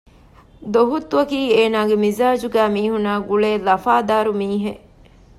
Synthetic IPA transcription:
d̪oɦut̪ːʋɐkiːeːnaːɡemizaːd͡ʒuɡæːmiːɦunaːɡuɭeːlɐfaːd̪aːɾumiːɦe

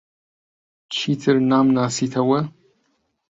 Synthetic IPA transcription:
t͡ʃʰiːtʰɨrnaːmnaːsitʰɐwɐ

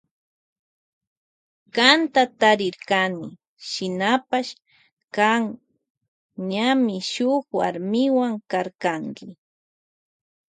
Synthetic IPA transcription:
kant̪at̪aɾɪɾkanɪ | ʃɪnapaʃ | kaŋ | ɲamɪʃʊxwa̰ɾmɪwaŋkaɾkaŋkɪ

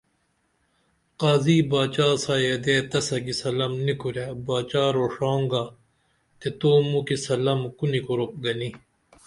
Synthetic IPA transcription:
qaːziːbaːt͡ɕaːsaːjed̪et̪ɐsɐɡisɐlɐmnikuɾebaːt͡ɕaːɾoːʂoːŋɡa | t̪et̪oːmukisɐlɐmkunikuɾop̚ɡɐni

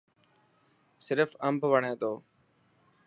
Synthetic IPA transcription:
sɪɾfəmpʋəɳẽːt̪oː

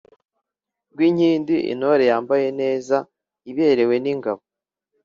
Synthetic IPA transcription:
ɡwiɲhiːndiʔḭnoɾejaːmbaje̞ne̞ːza | iβe̞ɾe̞we̞niŋɡaβo

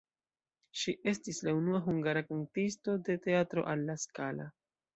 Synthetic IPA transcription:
ʃiʔe̞stislaunuaɦuŋɡaɾakantis̬to̞de̞te̞atɾo̞̰ʔalːaskala̰

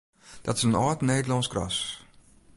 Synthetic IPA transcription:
d̥ɔtɪ̥sənɔːtneːdəlɔnskrɔ̰s

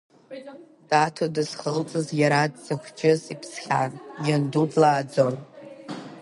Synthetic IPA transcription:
d̥atʰodɨzχəlt͡sʼɨzjaɾadz̥ɨχʷd͡ʒɪzipʰsχʲanjandudlaːd͡zon

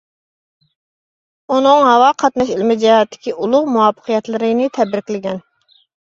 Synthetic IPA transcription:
unɨŋɦɑwɑqʰɑt̪nɑʃilmɪd͡ʒɛɦɑt̪ʰːɪ̥kʲiʔulˠʊʁmuwɑpʰːə̥qʰijɛt̪lˠɨɾɨnɨt̪ʰɛbɾɪkʲlɪɡʲɛn

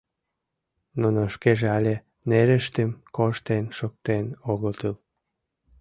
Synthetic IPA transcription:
nunoʃkeʒeɑlʲe | neɾəʃt̪emkoʃt̪enʃok̚t̪enoɣot̪ɯl

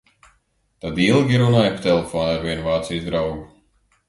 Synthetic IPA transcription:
t̪ad̪ilˠɡʲiɾunaːjpt̪ɛlˠefɔːnaɾvʲiɛnuvaːt̪sijzd̪ɾawɡu

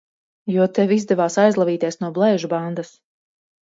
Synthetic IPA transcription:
juɔt̪ɛvizd̪ɛvaːsajzlˠaviːt̪ʲiɛsnuɔblˠɛjʒuband̪as

